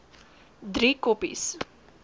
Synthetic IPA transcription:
d̪ʱɾikopḭs

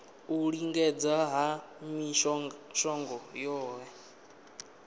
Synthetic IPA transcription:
uɺiŋɡɛd͡zaɦamiʃʃɔŋɡɔjɔːwɛ

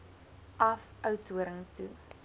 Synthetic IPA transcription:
ʔɐfœwtuəɾəŋtu

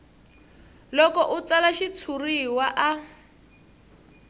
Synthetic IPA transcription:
lɔkɔʔut͡salaʃit͡sʰuriwaʔa

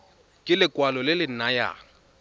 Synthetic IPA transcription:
kʼɪlɪkʼwalɔlɪlɪn̩naja̰ː

